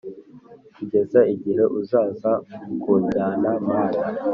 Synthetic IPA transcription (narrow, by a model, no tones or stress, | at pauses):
kuɟezaiɟihe̞ʔuzaːzakuːɲɟaːnamaːna